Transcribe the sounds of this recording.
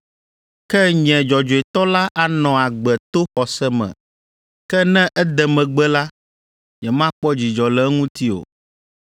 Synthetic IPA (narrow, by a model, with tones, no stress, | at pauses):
kɛ˦ɲɛ̃˨d͡ʒɔ˨d͡ʒo˨e˨t̪ɔ˦la˦ʔa˨nɔ̃˨a˨ɡ͡bɛ˨t̪o˦xɔ˨sɛ˦mɛ̰̃˨ | kɛ˦nɛ̃˦ʔɛ˦d̪ɛ˨mɛ̃˨ɡ͡bɛ˦la˦ | ɲɛ˨mã˦k͡pɔ˦d͡ʑi˨d͡ʒɔ˨lɛ˨˦ŋũ˦t̪i˦o̰˨